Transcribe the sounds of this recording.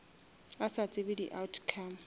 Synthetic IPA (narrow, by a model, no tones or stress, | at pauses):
asat͡sʼɪbɪdḭʔawtʰkʰam̩